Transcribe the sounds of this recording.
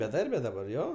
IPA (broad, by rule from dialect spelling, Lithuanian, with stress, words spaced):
bʲɛˈdɐrʲbʲɛ dɐˈbɐr ˈjoː